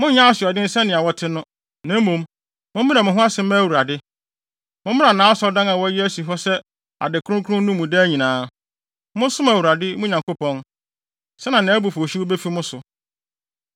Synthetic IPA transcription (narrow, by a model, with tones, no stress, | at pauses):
mʊ̃˦ɲã˦a˦sɪ˨ɔ˨dɪ̃˦n̩˦sɛ˦nɪ̃˨a˨wɔ˦tʰɪ˦nʊ̃˦ | nã˦m˦mũ˨m | mʊ̃˦m˦mĩ˦a˨mʊ̃˨ɦʊ̃˦a˦sɪ̃˨˦m˦æ˦˨wu˨ɾa˨dɪ˦ | mʊ̃˦m˦mɪ̃˦na˨nãː˨˦sɔ˦dã˦na˨wɔ˦æ˦ji˦æ˦si˨ɦɔ˦sɛ˦ | a̰˨dɪ˨kʰʊ˦ɾʊ̃˦ŋkʰʊ˦ɾʊ̃˦n˦nũ˦mːũ˨dɛ˦ɲĩ˨nãː˦ | mʊ̃˦n˦sʊ̃˦mæ˨wu˨ɾa˨dɪ˦mʊ̃˦ɲã˨ŋko˦pʰɔ̃˦n | sɛ˦nã˨nã˨˦bu˨fo˨ɕi˦wo˦be˦fi˦mʊ̃˦sʊ˨